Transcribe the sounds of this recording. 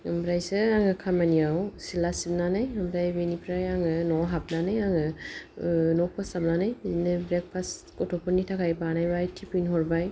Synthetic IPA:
ɯmbɾajsɯaŋɯkʰamaniawsilasip̚nanajambɾajbenipʰɾajaŋɯnɔɦap̚nanajaŋɯ | nɔk̚pʰasap̚nanajzinɯbɾek̚pʰaskɔtʰɔpʰɔnːitʰakʰajbanajbajtʰipijnɦɔɾbaj

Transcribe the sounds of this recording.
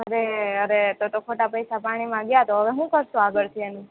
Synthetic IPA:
ɦəɾeəɾet̪ot̪okʰoʈapəjsapaɽ̃imãɡjat̪oɦəʋeɦũkəɾʃũaɡəɭt̪ʰienũ

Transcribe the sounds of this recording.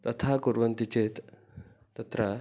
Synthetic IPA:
t̪ɐt̪ʰakuɾʋɐnt̪it͡ɕeːt̪ː | ɐt̪ɾɐ

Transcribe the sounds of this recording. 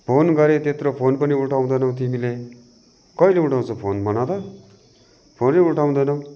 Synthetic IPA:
pʰoːnɡʌɾet̪et̪ɾopʰoːnpʌniuʈʰaũd̪ʌnʌwt̪̬imile | kʌileuʈʰaw̃t͡sʰʌpʰoːnbʌnad̪ʌ | pʰoːneuʈʰaũnd̪ʌnʌ̃

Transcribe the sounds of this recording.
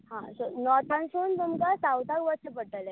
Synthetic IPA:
hãsɔnɔt̪ʰãnsuːnt̪umkasawt̪akʋəɾsəpəʈəlɛ

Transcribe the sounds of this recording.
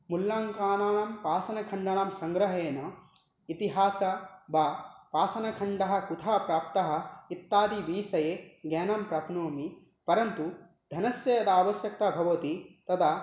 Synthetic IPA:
mulːaːŋkaːnaːɳampaːsɐnɐkʰɐɳɖɐɳaːmsɐŋɡɾɐɦeːnɐ | it̪iɦaːsɐbaːpaːsɐnɐkʰɐɳɖɐɦɐ̆kut̪ʰaːpɾaːp̚t̪ɐɦɐ̆it̪ːaːd̪iʋiːsɐjeːɡɛːnɐmpɾɐpnoːmi | pɐɾɐnt̪u | d̪ʱɐnɐsjɐjɐt̪ʰaːʋɐsjɐk̚t̪ɐbʱɐʋɐt̪it̪ɐt̪ʰa

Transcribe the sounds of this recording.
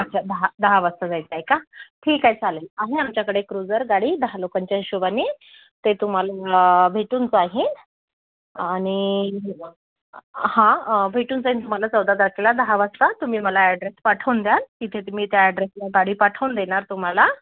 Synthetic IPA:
at͡ɕad̪əɦad̪əɦaʋəst̪əd͡zajt͡seajekaʈʰiːkajd͡zalelaɦeamt͡ɕjakəɽekɾud͡zəɾɡaɽiːd̪əɦalokaɲt͡ɕjaɦiɕuʋane | t̪et̪um̤alabʱeʈuːnt͡saɦin | aɽ̃iɦ | hãbʱeʈuːnt͡saɦint̪um̤alat͡səwd̪ad̪əɾkelad̪əɦaʋəst̪at̪um̤iːməlaeɖɾespaʈʰəwnd̪jalkit̪ʰet̪um̤iːt̪jaeɖɾeslaɡaɽiːpaʈʰəwnd̪eɽ̃aɾt̪um̤ala

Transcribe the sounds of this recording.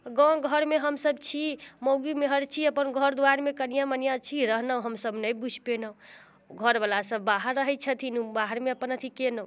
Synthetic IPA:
ɡɔ̃ɡʱəɾmeɦəmsəbt͡ʃʰiməɡimeɦəɾt͡ʃʰiəpənɡʱəɾd̪uwaɾmekənijãmənijãt͡ʃʰiɾəɦnə̃ɦəmsəbnəjbud͡ʒʱpenə | ɡʱəɾbəlasəbːaɦəɾːəɦɛt͡ʃʰət̪ʰinũbaɦəɾmeəpənət̪ʰikenəũ

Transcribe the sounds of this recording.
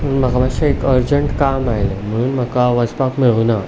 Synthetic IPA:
məunməɡabaɕaekəɾd͡ʑəɳʈkamajlem̤əɽ̃uːnm̤əkaʋəd͡zpakmeɭuna

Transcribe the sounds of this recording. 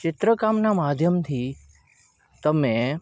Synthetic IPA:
t͡ʃɪt̪ɾəkamnamad̪ʱjəmt̪ʰi | t̪əmẽ

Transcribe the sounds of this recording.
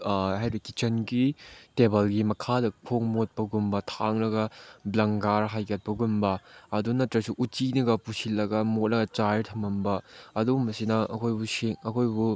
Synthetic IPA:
ɦajbikit͡ʃɐnɡitebɐlɡimɐkʰadɐpʰoŋmot̚pɐɡumbɐtʰaŋlɐɡɐblɐŋɡaɾɦajɡɐt̚pɐɡumbɐɐdunɐtɾɐsuʔut͡ʃinɐɡɐpusilːɐɡɐmot̚lɐɡɐt͡ʃajtʰɐmɐmbɐɐdumɐsinɐʔɐkʰojbuseŋɐkʰojbu

